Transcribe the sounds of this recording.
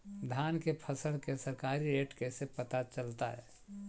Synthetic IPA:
d̪ʱjaːnkepʰəsəɭkesəɾkaːɾiɾeːʈkesepət̪at͡ʃəlt̪a̰ɦɛ̰ː

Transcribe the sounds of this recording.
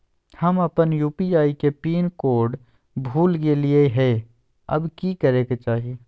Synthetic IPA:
həmɐpənjuːpiaːikepiːnkoːɾɖ | bʱuːlɡelɪeɦɛ | ɐ̰bkikəɾeːket͡ʃaːɦiː

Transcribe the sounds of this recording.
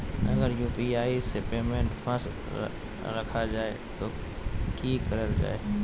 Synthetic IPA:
ɐ̰ɡəɾjuːpiaːisepeːmẽɳʈfəs | ɾɐkʰad͡ʒaːe | t̪oː | kiːkəɾəld͡ʒa̰ːeː

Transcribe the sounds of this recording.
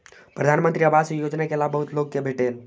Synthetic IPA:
pɾəd̪ʱanmənt̪ɾiəbasjod͡ʒnakelabəɦʊt̪loɡ̚kebʱeʈel

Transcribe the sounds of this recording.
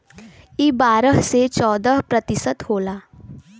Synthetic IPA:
ibaːɾəɦset͡ʃɔːd̪əɦpɾət̪ɪsət̪hoːlaː

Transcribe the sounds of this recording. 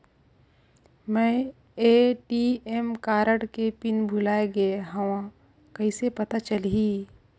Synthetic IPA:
mɛ̃ː | eːʈiemkaːɾəɽkepɪnbʱʊlaːeɡɐeɦɐwã | kɐisepɐt̪at͡ʃəlɦiː

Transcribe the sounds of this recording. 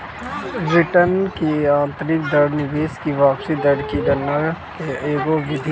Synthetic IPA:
bɾɪʈənkiãːnt̪ɾɪk̚d̪əɽnɪʋeːskiʋaːpsid̪ɐɽkiɖɐnːəkeeːɡoʋɪd̪ʱi

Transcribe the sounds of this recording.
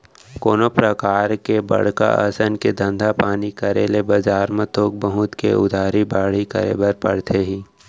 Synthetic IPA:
koːnopɾəkaːɾkebɐ̰ɽ̤ka̰ʔəsənked̪ə̃nd̪ʱapaːnikəɾelebɐd͡ʒaːɾmẽt̪oːk̚bəɦʊt̪kḛʔʊ̰d̪ʱaːɾibaːɽ̤ikə̰ɾḛːbəɾpɐɽ̤t̪ʰeɦiː

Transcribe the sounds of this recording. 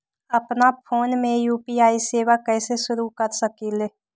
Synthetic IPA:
ɐpnapʰoːnmẽjuːpiaːiseːʋakɛːseʃʊɾukəɾsəkiːle

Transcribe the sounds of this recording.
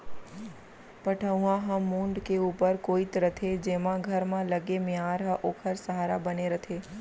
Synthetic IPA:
pəʈʰəũãɦə̃mũɳɖkeupəɾkoit̪ɾət̪ʰed͡ʒemãɡʱəɾmãləɡemjaɾɦə̃ʔokʰəɾsəɦaɾabəneɾət̪ʰe

